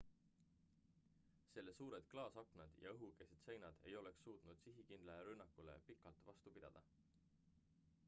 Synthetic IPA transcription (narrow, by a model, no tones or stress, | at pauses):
se̞lːe̞suːɾe̞d̪̥klɑːsɑknɑd̪̥jɑ̰ɤɦuke̞sed̪̥se̞jnɑd̪̥e̞jo̞le̞ksːuːt̪nud̪̥siɦikind̪̥lɑɾynːɑkːˑulḛpikːˑɑlt̪vɑst̪upid̪̥ɑ̰d̪̥ɑ